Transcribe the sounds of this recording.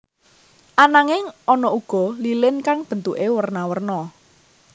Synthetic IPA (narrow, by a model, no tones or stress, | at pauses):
ʔanaŋɪŋɔnɔuɡ̥ɔ̤lilɪnkaŋb̥ənt̪uʔewərnawərnɔ